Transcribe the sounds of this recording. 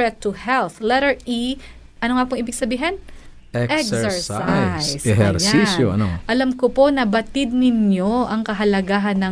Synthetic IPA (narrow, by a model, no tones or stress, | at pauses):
ɛt̪ːʊhɛlθlɛɾɛɹʔi | ʔɐnoŋapʊŋʔiːbɪɡ̚sɐbiːɦɐn | ɛʔɛksɛɹsaajjsɛhɛɾjaisjo̰ʔɐ̰noʔɐlamkoponɐbɐt̪ɪd̪̚nɪnjoʔɐŋkɐɦɐlɐɡaːɦɐnːɐ